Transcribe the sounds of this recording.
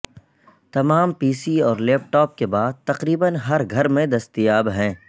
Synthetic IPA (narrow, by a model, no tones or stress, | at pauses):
t̪ɐmaːmpiːsiɔːɾlɛːp̚ʈɔːp̚kebaːd̪̚t̪ɐqɾiːbənɦɐɾɡʱɐɾmẽd̪ɐst̪ijaːbɦɛ̃ː